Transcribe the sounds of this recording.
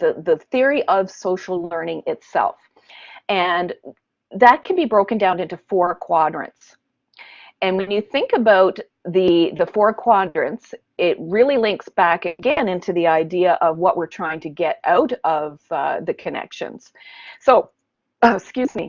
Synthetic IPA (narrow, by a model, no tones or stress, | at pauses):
ðɨðɨθɪɹiʔʌv̥soʊʃl̩ˠlɜ̃˞nɪ̃ŋɪtsɛ̰lˠf | ɨ̃n | ðɨt̚kʰɨ̃n̩bibɹoʊkɨ̃ndãʊ̃nɪ̃ntʉfɔɹkʰw̥ɑdɹɨ̰̃nts | ɨ̃nwɨ̃njɨθɪ̃ŋkɨbaʊt̪̚ | ðɨðɨfɔɹkʰw̥ɑdɹɨ̃nts | ɪt̚ɹɪlˠilɪ̃ŋksb̥ækɨɡɛ̃nɪ̃ntʰʉðiaɪdiɨʔʌvwʌʔwɪɹtʰɹ̥aɪɪ̃ŋtʰɨɡɛɾaʊɾʌvðɨkʰɨnɛ̰kʃɨ̰̃nz̥soʊ | skjʉzmḭ